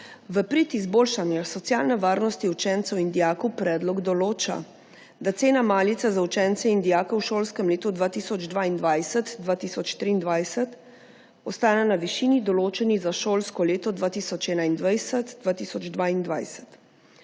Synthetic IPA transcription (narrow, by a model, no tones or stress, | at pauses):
ʋəpɾit̪izboːlʃanjasɔt̪sjaːlnɛʋaːɾnɔst̪iut͡ʃɛnt̪sɛwind̪ijaːkɔwpɾɛːd̪lɔɡd̪ɔloːt͡ʃa̰ | d̪at̪seːnamaːlit̪sɛzaut͡ʃɛnt̪sɛind̪ijaːkɔwʃoːlskɛmleːt̪ɔd̪ʋaːt̪isɔd͡ʒd̪ʋaːind̪ʋajsɛt̪d̪ʋaːt̪iːsɔt͡ʃt̪ɾiːnd̪ʋajsət̪ | ɔst̪aːnɛnaʋiʃiːnid̪ɔloːt͡ʃɛnizaʃoːlskɔleːt̪ɔd̪ʋaːt̪isɔt͡ʃɛːnaind̪ʋajsɛt̪d̪ʋaːt̪isɔd͡ʒd̪ʋaːind̪ʋa̰jsɛ̥t̪